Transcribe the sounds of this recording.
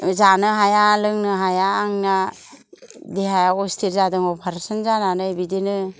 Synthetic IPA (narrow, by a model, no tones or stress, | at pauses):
zanɯɦajalɯŋnɯɦajaːŋna | deɦajaɔstʰilzadɯŋɔpʰaɾsɯnzananɯjbidenɯ